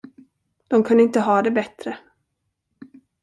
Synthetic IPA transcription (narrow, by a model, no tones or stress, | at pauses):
d̪̥ɔmkʰɵnd̪əɪnt̪əɦɑːd̪ɛbɛt̪ɾə